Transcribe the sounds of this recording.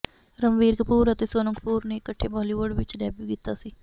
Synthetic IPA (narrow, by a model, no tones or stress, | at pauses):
ɾəmʋiːɾkəpuːɾət̪eːsoːnəkəpuːɾneːɪkːəʈʰːeːbɔːliːʋʊɖʋɪt͡ʃɖɛːbjuːkiːt̪aːsiː